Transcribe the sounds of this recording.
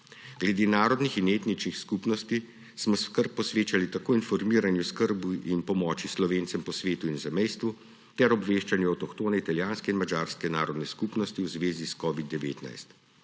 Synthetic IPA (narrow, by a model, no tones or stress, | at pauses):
ɡ̥lɛd̪eːnaːɾɔd̪nixineːt̪nit͡ʃnixskupnɔst̪i | smɔskəɾpːɔsʋeːt͡ʃalit̪akoːinfɔɾmiːɾanjuskəɾbuʔinpɔmɔːt͡ʃislɔʋeːnt̪sɛmpɔsʋeːt̪uinzɛmɛjst̪ʋu | t̪ɛɾɔbʋeːʃt͡ʃanjɛɐwt̪ɔkt̪oːnɛit̪aljaːnskɛinmad͡ʒaːɾskɛnaːɾɔd̪nɛskuːpnɔst̪iwzʋeːziskɔːʋid̪ːɛʋḛːt̪na̰jst̪